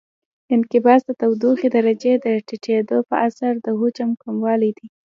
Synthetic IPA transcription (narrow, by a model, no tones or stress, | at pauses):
ɪnkɪbɑsd̪ət̪awd̪uxed̪aɾad͡ʒed̪əʈiʈʰed̪opə̰ʔasaɾd̪əɦut͡ʃamkamwɑlijd̪i